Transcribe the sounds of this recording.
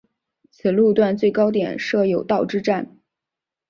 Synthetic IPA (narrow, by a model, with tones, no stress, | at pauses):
t͡sʰɹ̩˨˩lu˥˧t̪wa˥˧nt͡swe˥˩ɪkɑ˥ʊt̪jɛ̰˨˩˦nʂɤ˥˩jo˨˩ʊt̪ɑ˥˧ʊʈ͡ʂɻ̩˥ʈ͡ʂa˥˩n